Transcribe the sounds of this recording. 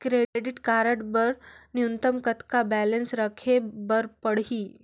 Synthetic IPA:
kɾeɖiʈkaɾəʈbəɾnjunt̪əmkət̪kabælənsɾəkʰebəɾpəɽɦiː

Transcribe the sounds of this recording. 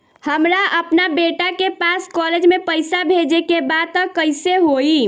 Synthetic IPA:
həmɾaʔəpnabeʈakepaskɔled͡ʒmepəɪsabʱed͡ʒekebad̪̚t̪əkəɪseɦoi

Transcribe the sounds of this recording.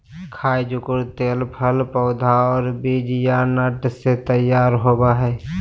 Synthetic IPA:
kʰaːid͡ʒʊkʊɾt̪eːlpʰəlpəʊd̪ʱaɔːɾbeːd͡ʒijanəʈset̪əjaːɾɦoːbaɦɛː

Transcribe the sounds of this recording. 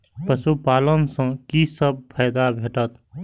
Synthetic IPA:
pəsupalənsə̃kisəb̚pʰəɪd̪abʱeʈət̪

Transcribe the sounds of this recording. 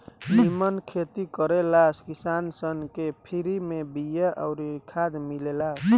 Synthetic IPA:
nimənkʰet̪ikəɾelaskisansənkepʰiɾimebijaʔəwɾikʰad̪milelas

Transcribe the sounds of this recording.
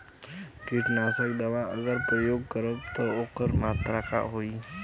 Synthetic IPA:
kiʈnasekd̪əʋaəɡəɾpɾəjoːɡ̚kəɾəb̚t̪əokəɾmaːt̪ɾaka̰ɦoiː

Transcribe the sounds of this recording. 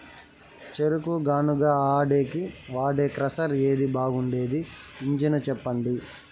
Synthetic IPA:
t͡ʃeɾukuɡaːnuɡaːaːɖe̞ːkiʋaːɖeːkɾɐsɐɾe̞ːd̪ibaːɡuɳɖe̞ːd̪iːɲd͡ʒinɐt͡ʃɛpːɐɳɖi

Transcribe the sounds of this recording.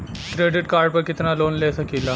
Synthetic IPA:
kɾeɖɪʈkaɾɖ̚pəɾkɪt̪nalonlesəkila

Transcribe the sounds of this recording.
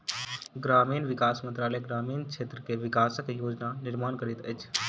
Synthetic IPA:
ɡɾaːmiːnʋɪkaːsmənt̪ɾaːləɡɾaːmiːnkt͡ʃʰeːt̪ɾəkeʋɪkaːsəkjoːd͡ʒnanɪɾmaːnkəɾit̪ət͡ʃʰ

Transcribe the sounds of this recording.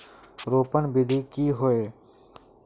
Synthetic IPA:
ɾoːpəɳbɪd̪ʱiːkiːɦoeː

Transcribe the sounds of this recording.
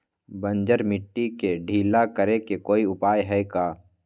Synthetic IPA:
bə̃nd͡ʒəɾmɪʈːikeɖʱiːlakəɾekekoːiʊpaːjɦɛekaː

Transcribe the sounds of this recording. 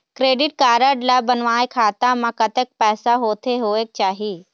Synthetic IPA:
kɾeːɖɪʈkaːɾəɖlabənʋaːekʰaːt̪amãkət̪ek̚pɛːsaɦoːt̪ʰeɦoːek̚t͡ʃaːɦiː

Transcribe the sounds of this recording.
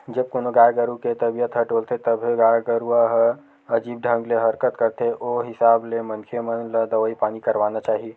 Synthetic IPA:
d͡ʒəb̚koːnoɡaːjɡəɾuket̪əbijət̪ʰɦəʈoːlt̪ʰet̪əbʱeɡaːjɡəɾuaɦə | əd͡ʒiːb̚ɖʱə̃ŋɡleɦəɾkət̪kəɾt̪eʔoɦɪsaːblemənkʰemənləd̪əʋəipaːnikəɾʋaːnat͡ʃaːɦie

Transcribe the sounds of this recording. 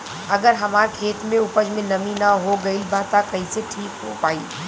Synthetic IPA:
ɐɡəɾɦɐmaːɾkʰeːt̪mẽʊpəd͡ʒmẽnɐminaɦoɡɐilbʱaːt̪akɐiseʈʰiːkɦo̰paːiː

